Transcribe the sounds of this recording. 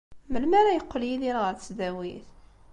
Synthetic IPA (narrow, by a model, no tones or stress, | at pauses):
məlmæɾæjəqːljiðiɾʁəɾt͡sːd̪æwiθ